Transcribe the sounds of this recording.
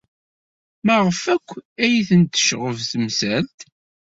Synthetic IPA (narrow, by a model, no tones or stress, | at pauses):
mæʁəfækʷːæjiθənt̪ːə̥ʃʁəvθəmsælt̪